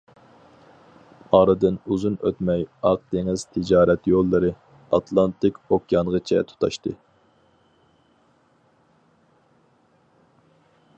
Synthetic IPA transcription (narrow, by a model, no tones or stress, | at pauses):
ɑːɾɨd̪ɨnuzunø̰t̪mɛjɑq̚d̪̥eŋɪz̥t̪ʰɪd͡ʒɑːɾɛt̪jolˠːɨɾɨ | ɑt̪ʰlˠɑnt̪ɪkʲokʲjɑnʁət͡ʃʰɛ̰t̪ʰu̥t̪ʰɑʃt̪ɨ